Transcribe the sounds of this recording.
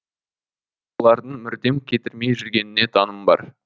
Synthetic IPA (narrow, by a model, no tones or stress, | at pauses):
wolˠɑɾd̪əɴmʏɾd̪e̞mkʲʰe̞t̪ɪɾme̞jʒʏɾɡʲe̞nɪne̞t̪ʰɑnəmbɑ̰ɾ